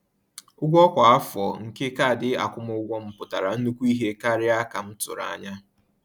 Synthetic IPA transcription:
ʊ˦ɡʷɔ˦kʷa˨a˦fɔ˨ŋ̩˨ke˦ka˦˨dɪ˦a̰˨kʷʊ˦mʊ˦ʊ˦ɡʷɔ˦m̩˨pʊ˨ta˨ɾa˨n̩˦nu˦kʷu˦i˦ɦe˦ka˦ɾɪ˦a˦ka˨m̩˦tʊ̰˨ɾa̰˨ɲa˦

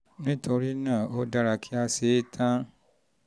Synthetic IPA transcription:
nĩ˦to˧ɾi˦nãː˦˨o˦da˧ɾa˧kʰi˦a˧se˨˦tʰã˦

